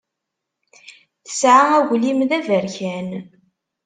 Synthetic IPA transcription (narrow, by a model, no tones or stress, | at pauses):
θə̥sʕaæʝlimðævəɾçæn